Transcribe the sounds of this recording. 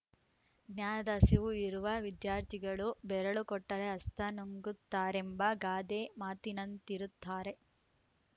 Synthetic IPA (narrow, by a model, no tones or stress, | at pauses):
njaːɐd̪ɐsiʋuiɾuʋɐʋid̪jaːɾt̪ʰiɡɐɭubɛɾɐɭukɔʈːɐɾeɐst̪ʰɐnuŋɡut̪ːaːɾembɐɡaːd̪emaːt̪inɐnt̪iɾut̪ːaːɾe̞